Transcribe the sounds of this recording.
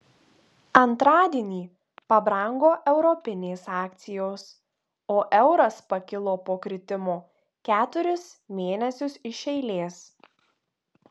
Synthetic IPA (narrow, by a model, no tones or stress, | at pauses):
ɐnt̪ɾɑːd̪ʲiɛnʲiː | pɐbɾɐŋɡoːʔɛʊɾɔpʲɪnʲeːsɑːkt̪sʲɪjoːs | oːʔɛʊɾɐspɐkʲɪlˠoːpoːkɾʲɪt̪ʲɪmoː | kʲæːt̪ʊɾʲʊsmʲeːnʲɛsʲʊsɪʃʲɛɪlʲeːs